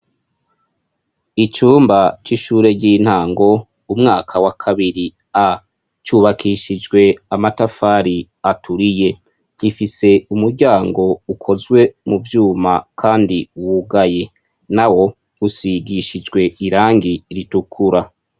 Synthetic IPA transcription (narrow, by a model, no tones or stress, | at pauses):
it͡ʃuːmbat͡ʃiʃuːɾe̞ɟiːn̥haːŋɡo̞ | umŋaːkʰawakʰaβiɾi | a | t͡ʃuːβakʰiʃid͡ʒɡwe̞amatafaːɾi | atʰuɾije̞ | ɟifise̞umuɾɟaːŋɡo̞ukʰo̞zɡwe̞muvjuːma̰kʰaːndiwuɡaje̞ | nawo̞ | usiɡiʃid͡ʒɡwe̞iɾaːŋɡiɾitukʰuɾa